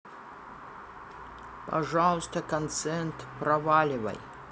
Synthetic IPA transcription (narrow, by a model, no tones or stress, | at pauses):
pɐʐalˠəst̪əkɐnt̪sɛnt̪prɐvalʲɪvɐ̰j